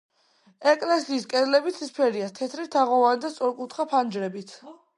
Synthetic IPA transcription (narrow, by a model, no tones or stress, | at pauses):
ɛkʼlɛsiːskʼɛzlɛbit̪sʰispʰɛɾiast̪ʰɛt̪ʰɾit̪ʰaʁɔvanid̪ast̪sʼɔɾkʼut̪ʰχapʰand͡ʒɾɛbit̪ʰ